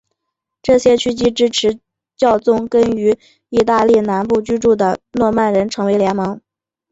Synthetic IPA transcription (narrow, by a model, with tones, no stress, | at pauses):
ʈ͡ʂɤ˥˩ɕjɛ˥t͡ɕʰy˥t͡ɕi˥ʈ͡ʂɻ̩˥ʈ͡ʂʰɻ̩˧˥ | t͡ɕjɑ˥˧ʊt͡sʊ˥˩ŋkə˥ny˧˥ | i˥˧t̪̬a˥˧li˥˩na˧˥npu˥˩t͡ɕy˥ʈ͡ʂu˥˩d̪ə˩nwɔ˥˧ma˥˩nɻə˧˥nʈ͡ʂʰɤ˧˥ŋwe˧˥ɪljɛ˧˥nmɑ˧˥ŋ